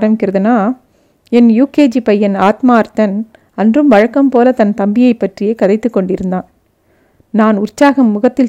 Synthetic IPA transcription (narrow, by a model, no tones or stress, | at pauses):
ɾɐmɪkːɪɾɐðɯnaː | ɛnjuːkeːd͡ʒipɐjːɐnaːt̪maːɐɾt̪ɐn | ɐndrɯmʋɐɻɐkːɐmpoːlɐt̪ɐnt̪ɐmbɪjɐɪpːɐʈrɪjeːkɐðɐɪt̪ːɯkːɔɳɖɪɾɯnd̪aːn | naːnʊrt͡ʃaːɣɐmːʊɣɐt̪ːɪl